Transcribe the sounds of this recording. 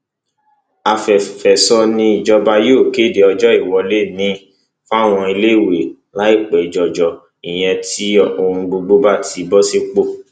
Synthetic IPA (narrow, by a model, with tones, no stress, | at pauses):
a˨fɛ˨fɛ˨sɔ˧nĩ˧i˨d͡ʒɔ˧ba˧jo˦o˦˨ke˦˨de˨ɔ˧d͡ʒɔ˦i˦˨wɔ˧le˦˨nĩ˨˦ | fa˦˨w̃ɔ̃˧i˧le˦˨we˨ | la˨˦i˦˨k͡pɛ˨i˨d͡ʒɔ˨d͡ʒɔ˨ | i˨j̃ɛ̃˧ti˦ɔ˨o˧ũ˧ɡ͡bo˧ɡ͡bo˧ba˦˨tʰi˨˦bɔ˦se˧k͡po˦˨